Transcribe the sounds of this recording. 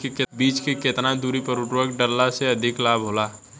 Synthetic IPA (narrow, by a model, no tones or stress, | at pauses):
kekebiːt͡ʃkeket̪nad̪uɾipəɾʊʈwəkɖəlːaseɐd̪ʱɪklaːbʱɦoːla